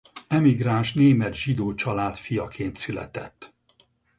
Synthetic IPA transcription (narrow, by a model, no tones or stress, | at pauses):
ɛmiɡraːnʃneːmɛt̪ʒid̪oːt͡ʃɒlaːt̪fijɒkʰeːnt̪sylɛ̰t̪ɛt̪ː